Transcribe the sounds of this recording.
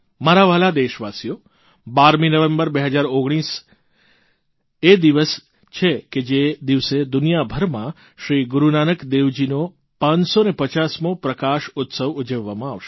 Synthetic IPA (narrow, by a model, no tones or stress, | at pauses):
maɾaʋalad̪eʃʋasjo | baɾminəʋẽmbəɾbeɦəd͡ʒaɾoɡɽ̃is | ed̪iʋəs | t͡ʃʰeked͡ʒed̪iʋsed̪ʊnijabʱəɾmã | ʃɾiɡuɾunanəkd̪eʋd͡ʒino | pãɲsonepət͡ʃasmopɾəkaʃʊt̪səʋud͡ʒəʋːamãaʋʃ